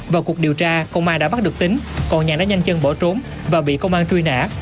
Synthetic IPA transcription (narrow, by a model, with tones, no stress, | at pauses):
vaː˨˩wku˨˩ək̚ɗi˨˩əwt͡ɕaː˧kə˧wŋ͡mʔaː˧nɗa̰ː˧˥ɓa˦˥ɗɨ˨˩k̚t̪ï˨˦ŋ̟kɔ˨˩nɲaː˨˩ɗa̰ː˧˥ɲa˧jŋ̟t͡ɕə˧nɓɔ˧˩t͡ɕo˨˦m | vaː˨˩ɓḭ˧˨kə˧wŋ͡mʔaː˧nt͡ɕwi˧na̰ː˧˥